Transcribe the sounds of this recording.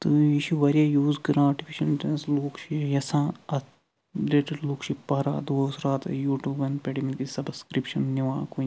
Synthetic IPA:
t̪ɨiʃiʋɐɾijajuːzɡɐɾãːʈipʰiʃɐnʈɐnsloːkʃijɐsãːɐ | leʈɐluːkʃipɐɾa̰ːd̪oːsɾaːt̪ɐ̰juːʈuːbɐnpʲeʈimikisɐbskɾipʃɐnniʋãːku

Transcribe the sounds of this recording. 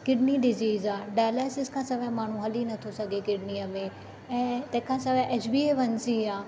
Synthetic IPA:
kɪɖniɖɪziːzaːɖaːjleːsɪzkʰãːsɐbʱẽmaːɳ̤ũɦɐlinɐt̪ʰosɐɡʱekɪɖniːəmẽ | ɛ̃ːt̪ɐ̃ɦɪ̃kʰãːsɐbʱẽʔeːt͡ʃbiːeːʋɐnsiaː

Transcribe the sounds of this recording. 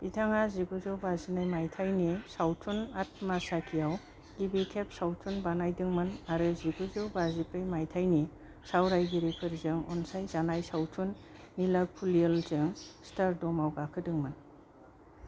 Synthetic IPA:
b̥itʰaŋaziɡuzɯwbazinajmajtʰajnisawtʰunat̚masakʰijaw | ɡ̥ibikʰep̚sawtʰunbanajdɯŋmɯnaɾɯziɡuzɯwbazipɯjmajtʰajni | sawɾajɡiɾipʰɯɾzɯŋɔ̰nsajzanajsawtʰunːilaɡ̚pʰulialzɯŋstaɾdɔmawɡakʰɯdɯŋmɯn

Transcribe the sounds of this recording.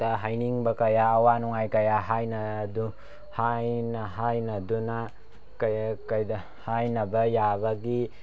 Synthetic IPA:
tɐɦajniŋbɐkɐjaːwanuŋajkɐjaɦajnɐdu | hajnɐɦajnɐduna | kɐkɐjdɐ | hajnɐbɐjabɐɡi

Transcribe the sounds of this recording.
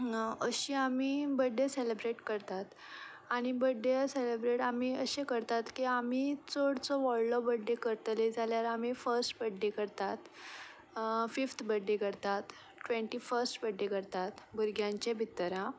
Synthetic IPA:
əɕiːamiːbəɖʱːeselebɾeʈkəɾt̪at̪ | aɽ̃ibəɖʱːeselebɾeʈamiːəɕekəɾt̪at̪kiamiːt͡soɽt͡sɔʋɔɭlɔbəɖːekəɾt̪led͡zʱaljaɾam̤ifəɾsʈbəɖːekəɾt̪at̪ | fift̪ʰbəɖːekəɾt̪at̪ | ʈʋeɳʈiːfəɾsʈbəɖːekəɾt̪at̪buɾɡjãɲt͡ɕebʱit̪ːɾã

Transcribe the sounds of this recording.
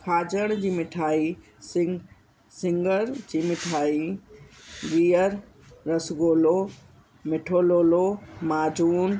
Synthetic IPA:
kʰaːd͡ʑəɽ̃d͡ʑiːmɪʈʰaːi | sɪ | sɪ̃ŋɡəɾd͡ʑiːmɪʈʰaːi | ɡiːəɾ | ɾɐsɡoːloː | mɪʈʰoːloːlomaːd͡ʑuːn

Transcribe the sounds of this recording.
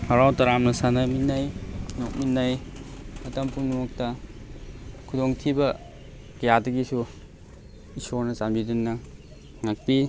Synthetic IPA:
haɾawtɐɾamnɐsanɐminːajnok̚minːaj | ɐtɐmpumnumɔk̚tɐ | kʰudoŋtʰibɐ | kɐjadɐɡisu | isoɾnɐsambidinːɐ | ŋak̚pi

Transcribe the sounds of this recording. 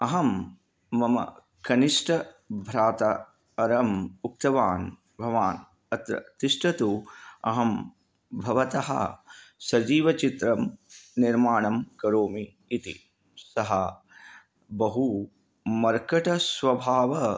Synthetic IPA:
ɐɦɐmː | ɐmɐ̰ | kɐniʂʈʰɐ | bʱɾaːt̪ɐ | ɐɾɐmuk̚t̪ɐʋaːn | bʱɐʋaːn | ɐt̪ɾɐ̰t̪iʂʈʰɐt̪uɐ̰ɦɐm | bʱɐʋɐt̪ɐɦɐ̰sɐd͡ʒiːʋɐt͡ʃit̪ɾɐmniɾmaːɳɐmkɐɾoːmiː | t̪ḭ | sɐɦɐ | bɐɦu | mɐɾkɐʈɐsʋɐbʱaːʋɐ

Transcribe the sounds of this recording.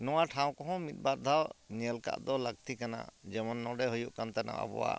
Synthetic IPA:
nɔwaʈʰaw̃kɔɦɔ̃mit̪̚baɾd̪ʱawɲəlka̰ʔd̪ɔlək̚t̪ikana̰d͡ʒɛmɔnːɔɖɛɦujuʔkant̪ana̰ʔɔ̰bɔ̰wa̰

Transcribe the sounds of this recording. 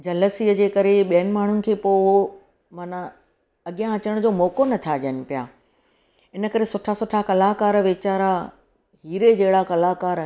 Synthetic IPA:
d͡ʑɐləsiːəd͡ʑeːkɐɾeɓijənɪ̆maːɳ̤ʊnɪ̆kʰeːpoː | maːnã | ɐɠijãɐt͡ɕəɽ̃d͡ʑoːmɔːkonɐt̪ʰaʄənɪ̆pija̰ː | ɪnə̆kɐɾesʊʈʰasʊʈʰakɐlaːɦkaːɾʋeːt͡ɕaːɾa | ɦiːɾed͡ʑɐɦɪɽakɐlaːkaːɾ

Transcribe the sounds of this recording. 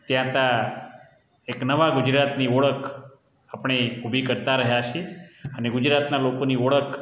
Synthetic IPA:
t̪jãt̪a | eknəʋaɡud͡ʒɾat̪niɔɭək | apɳ̃eubʱikəɾt̪aɾəɦjat͡ʃʰeəneɡʊd͡ʒɾat̪nalokoniɔɭək

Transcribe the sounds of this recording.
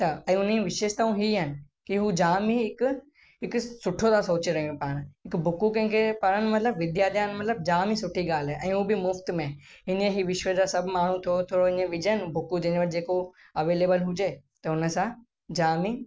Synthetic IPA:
t̪ɐɛ̃ːʊniʋɪʃeːʃt̪aːũɦiɦənɪ̆ | kiɦud͡ʑaːmiɦɪkʊ | ɦɪksʊʈʰot̪ʰasoːt͡ɕiɾɐɦiũpaːɽ̃ɦɪkbʱʊkukɐ̃ɦɪ̃ŋkʰepɐɾənmɐt̪ləbʋɪd̪jaːɾd̪jaːnmɐt̪ləb̚d͡ʑaːmisʊʈʰiɡaːl̤ɛʔɛ̃ːɦubɪmʊft̪mẽ | ɦɪnəɦiʋɪʃʋəd͡ʑasɐbʱmaːɳ̤ũt̪ʰot̪ʰoːɽoɦɪɲəʋɪd͡ʑənbʱʊkud͡ʑɐ̃ɦɲʋɐʈʰd͡ʑeːko | ɐʋeːleːbəlɦʊd͡ʑeːt̪ɐʊnə̆sã | d͡ʑaːmi

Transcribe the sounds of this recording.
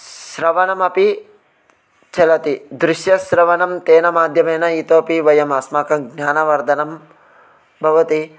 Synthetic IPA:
ʃɾɐʋɐnɐmɐpi | t͡ʃɐlɐt̪id̪ɾɪʃjɐsɾɐʋɐnɐmt̪eːnɐmaːd̪ʱjɐmeːnɐit̪oːpiʋɐjɐmaːsmaːkɐɡnʲaːnɐʋɐɾd̪ʱɐnɐm | bʱɐʋɐt̪i

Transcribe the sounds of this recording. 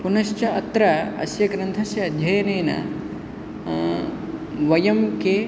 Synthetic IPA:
punɐʃt͡ʃɐɐt̪ɾɐɐ̰sjɐɡɾɐnt̪ʰɐsjɐːd̪ʱjɐjɐneːnɐ̰ | ʋɐjɐmke

